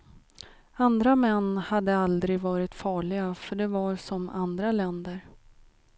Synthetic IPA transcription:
and̪ɾamɛnːhad̪ːəald̪ɾɪɡvɑːɾɪt̪fɑːɭɪɡafœɖɛvaɾsɔmand̪ɾalɛnd̪əɾ

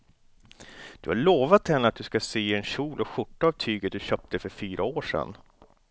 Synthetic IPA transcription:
d̪̥ɵhaɭoːvat̪hɛnːəat̪̚d̪ɵskaseːɛnɕuːlʔɔɧʊʈːaːvt̪ʰyːɡət̪̚d̪ɵɕœːp̚t̪əfœɾfyːɾʔaoːʂɛ̰n

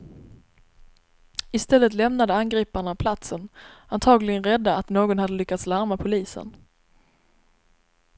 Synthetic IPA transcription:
ɪst̪ɛlːət̪lɛmnad̪əanɡɾiːpaɳapʰlat̪sənant̪ʰɑːɡlɪɡənɾɛd̪ːaat̪noːɡɔnhad̪ːəlʏkːat̪slaɾmapʰʊliːsə̰n

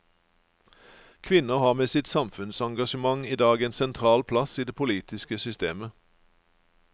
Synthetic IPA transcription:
kʰʋɪnəhɑːʁmeːsɪt̪sɑmfʉnsɑŋɡɑʃəmɑŋiːd̪ɑːɡeːnsɛnt̪ʰʁɑːlpʰlɑsiːd̪eːpʰʊliːt̪ɪskəsʏst̪eːmə

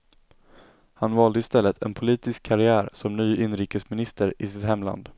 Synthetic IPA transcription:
hanvɑːld̪əɪst̪ɛlːət̪ʰɛ̰npʰʊliːt̪ɪskʰːaɾɪæːɾsɔmnyːʔɪnɾiːkəsmɪnɪst̪əɾɪsɪt̪hɛmla̰nd̪

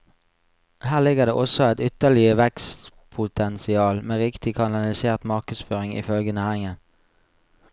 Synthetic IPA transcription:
hæːʁlɪɡəʁd̪ḛːʔɔsɔæɪt̪ʏt̪əʁlɪəʋɛkst̪ | pʰʊt̪ʰɛnsɪɑːlmeːʁɪkt̪ɪkʰɑnɑlɪseːʁt̪mɑʁkəsføːʁɪŋḭfœlɡənæːʁɪŋən

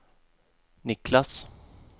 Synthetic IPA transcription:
nɪklas

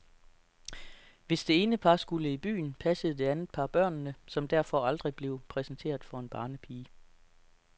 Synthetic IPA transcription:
ʋe̝sd̥e̝e̝ːnəpʰɑ̈sɡ̥uləib̥y̰ːn̩pʰæsəð̞̩ˠd̥e̝ænð̩ˠpʰɑ̈b̥ɶɐ̰nːəsɒ̽md̥æɐ̰fɒ̽ɑ̈ld̥ʁib̥le̝ʊpʰʁɛsn̩t͡sʰe̝̰ːɐ̰ðˠfɒ̽e̝nb̥ɑ̈ːnəpʰiː

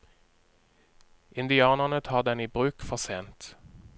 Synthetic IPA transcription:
ʔɪnd̪ɪɑːnəʁnət̪ʰɑːʁd̪ɛniːbʁʉːkfɔʁseːnt̪

